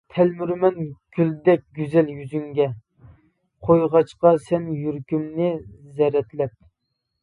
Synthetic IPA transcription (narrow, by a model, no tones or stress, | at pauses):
t̪ʰɛlmyɾmɛnɡ̥ʲyld̪ɛk̚ʲɡʲyzɛljyzyŋɡʲɛ | qʰojʁɑt͡ʃqɑsɛnjyɾkʲymnɪzɛɾɛt̪lɛp̚